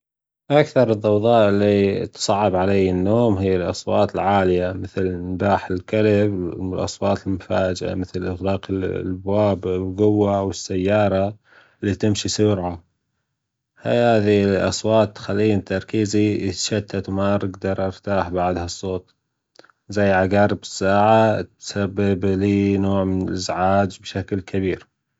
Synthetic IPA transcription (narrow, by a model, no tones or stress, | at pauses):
ʔakθɑɾˤɨðˤːɑwðˤɑːʔɪlːit̪sˤɑʕːɪbʕalejɪnːoːmɦɪjːalʔɑ̰sˤwɑːt̪ɪlʕaːlɪjamɪθlnbaːħɪlkalɪblʔɑ̰sˤwɑːt̪ɪlmʊfaːd͡ʒɪʔa̰mɪθlʔɪɣlɑːqɪbwaːblɡʊwːawɪsːajːɑːɾˤɑ | lːiːt̪ɪmʃisʊɾʕa | hahaːðiʔɑ̰sˤwɑːt̪ːxalːiːnt̪ɑɾˤkiːziɪt̪ʃat̪ːat̪maɾɪɡd̪ɑɾˤʔɑɾt̪aːħbaʕd̪haɑsˤːoːt̪̚ˤ | zajːʕaɡaːɾɪbɪsːaːʕat̪sabːɪbliːnoːʕmɪnɪlʔɪzʕaːd͡ʒbʃaklkʰabiːɾ